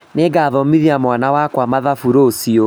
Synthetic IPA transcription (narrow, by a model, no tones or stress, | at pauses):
neɡaðɔmiðiamwanawakwamaðafuɾoːsio